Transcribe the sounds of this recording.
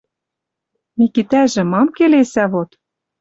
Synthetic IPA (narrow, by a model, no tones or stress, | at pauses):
mikit̪æʒɘ̆mɑmkelesæβot̪